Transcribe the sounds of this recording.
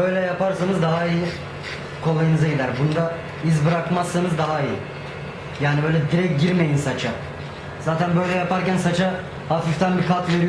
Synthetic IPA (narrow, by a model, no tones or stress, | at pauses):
bøjlʲɛjapaɾsanɯzd̪aɦaiji | kʰo̞lˠajɯnɯzaɟid̪æɾbunud̪a | izbɯɾakmasːɯnɯzd̪aɦaiji | jaːnibø̞jlʲɛd̪iɾɛc̚ɟiɾme̞jinsat͡ʃʰa | z̥aːt̪ʰænbø̞jlʲɛjapaɾcænsat͡ʃʰa | hafift̪ʰænbikʰat̪ve̞ɾij